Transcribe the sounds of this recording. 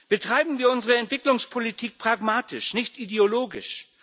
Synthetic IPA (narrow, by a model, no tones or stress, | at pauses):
b̥ətʁ̥aɪbm̩viːɐʊnzəʁəɛntv̥ɪklʊŋspʰolitʰiːk̚pʁ̥aɡmaːtɪʃnɪçtʔideoloːɡɪ̰ʃ